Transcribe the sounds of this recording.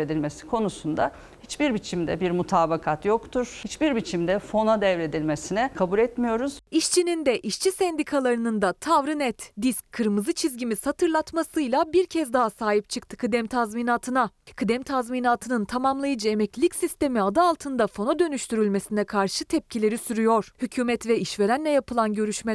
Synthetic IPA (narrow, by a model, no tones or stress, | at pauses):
ed̪ilʲme̞si̥kʰo̞nusund̪a | hit͡ʃbiɾbit͡ʃʰimd̪ɛ̰biɾmut̪ʰaːbakʰat̪jokt̪ʰuɾ̥hit͡ʃbiɾbit͡ʃʰimd̪ɛfo̞nad̪ɛvɾe̞d̪ilʲmesinɛkʰabulʲɛt̪mijo̞ɾuz̥iʃt͡ʃʰinind̪ɛʔiʃt͡ʃʰisɛnd̪ikʰalˠaɾɯnɯnd̪at̪ʰavɾɯnɛt̪d̪iscʰːɯɾmɯzɯt͡ʃʰizɟimiz̥hat̪ʰɯɾlˠat̪masɯjlˠabiɾcʰɛzd̪aɦasaːɦip̚t͡ʃʰɯkt̪ʰɯ̥kʰɯd̪ɛmt̪ʰazminaːt̪ʰɯnakʰɯd̪ɛmt̪ʰazminaːt̪ʰɯnɯnt̪ʰamamlˠajɯd͡ʒɯe̞mɛclʲicsist̪e̞miad̪aːlˠt̪ʰɯnd̪afo̞nod̪ø̞nyʃt̪ʰyɾylʲme̞sinɛkʰaɾʃɯt̪ʰɛp̚cʰilʲe̞ɾisyɾyjo̞ɾ̥hycʰyːmɛt̪vɛiʃve̞ɾænlːʲɛjapɯlˠanɟø̞ɾyʃmɛ